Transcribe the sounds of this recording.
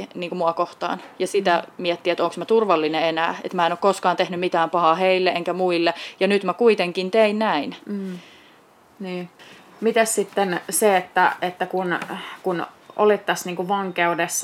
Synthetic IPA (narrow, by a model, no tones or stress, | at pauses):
niːŋkumuɑkoht̪ɑ̰ːnjɑsit̪æmiɛt̪ːiet̪oːˑŋksmæt̪urʋɑlːineenæ̰ːḛt̪mæˑenokoskɑːnt̪ehnymmit̪æːmpɑhɑːheilːeʔeŋkæmuilːejɑnyt̪mækuit̪eŋkint̪einnæin̩ː | niː | mit̪æssit̪ːenseet̪ːæet̪ːækunkun | o̰lit̪ːɑsniːŋkuʋɑŋkeudesː